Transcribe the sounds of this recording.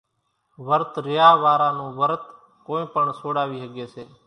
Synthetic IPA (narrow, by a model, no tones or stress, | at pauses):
ʋəɾt̪ɾɪjaːʋaːɾãːnũːʋəɾt̪ | kõːĩːpəɳsoːɽaːʋiːsəɠeːseː